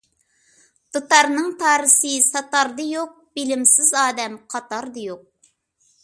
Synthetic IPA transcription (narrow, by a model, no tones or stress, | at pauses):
d̪̥ot̪ɑɾnɨŋt̪ʰɑːɾɨsɨsɑt̪ɑɾd̪ɨjoq̚b̥ɪlɪmsɪzɑːd̪ɛmqʰɑt̪ɑɾd̪ɨjoq̚